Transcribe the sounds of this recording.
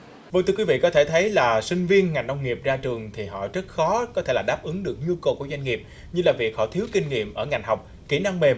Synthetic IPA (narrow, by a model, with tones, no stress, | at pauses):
və˧ŋt̪ɨ˧kwi˨˦vḭ˧˨kɔ˨˦t̪ʰe˧˩t̪ʰə˨˦jlaː˨˩sï˧ŋ̟vi˧ənŋa˨˩jŋ̟nə˧wŋ͡mŋi˨˩əp̚zaː˧t͡ɕɨ˨˩əŋt̪ʰi˨˩ɦɔ̰˧˨zə˦˥t̚xɔ˨˦kɔ˨˦t̪ʰe˧˩laː˨˩ɗaː˦˥p̚ʔɨ˨˦ŋɗɨ˨˩ək̚ɲu˧kə˨˩ku˧˩zwa˧ŋ̟ŋi˨˩əp̚ | ɲɨ˧laː˨˩vi˨˩ək̚hɔ̰˧˨t̪ʰi˨˦wkï˧ŋ̟ŋḭ˧˨əmʔəː˧˩ŋa˨˩jŋ̟ɦa˨˩wk͡p̚ | ki˧˩na˧ŋme˨˩m